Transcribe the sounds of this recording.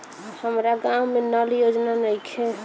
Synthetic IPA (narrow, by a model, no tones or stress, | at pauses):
həmɾaɡãũmenəljod͡ʒnanəjkʰe